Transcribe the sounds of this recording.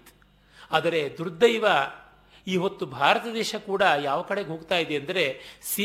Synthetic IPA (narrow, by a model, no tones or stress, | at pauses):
t̪ | aːd̪ɐɾe̞d̪uɾd̪ːɐjʋɐ | iːɦo̞t̪ːubʱaːɾɐt̪ɐd̪ɛːʃɐkuːɽɐjaːʋɐkɐɽe̞ɡɦo̞ːɡt̪aːjid̪eɐnd̪ɐɾe̞si